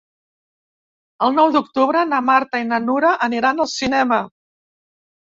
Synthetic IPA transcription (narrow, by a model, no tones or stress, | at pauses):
əlˠnɔwd̪uk̚t̪uβɾənamaɾt̪əinənuɾəʔəniɾanəlˠsinɛmə